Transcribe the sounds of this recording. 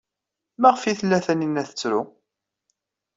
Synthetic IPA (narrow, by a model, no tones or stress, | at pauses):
mæʁəfiθəlːæθæninːæθə̥t͡sːɾʊ